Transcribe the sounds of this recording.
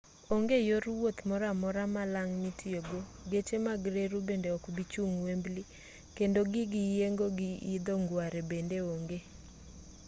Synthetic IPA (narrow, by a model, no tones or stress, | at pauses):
oŋɡejoɾwot̪mɔɾamɔɾamalaŋnitʰjoɡoɡet͡ʃemaɡɾeɾubendeɔkbit͡ʃuŋwembli | kendoɡɪɡɪjeŋɡoɡɪid̪oŋɡwaɾebendeoŋɡe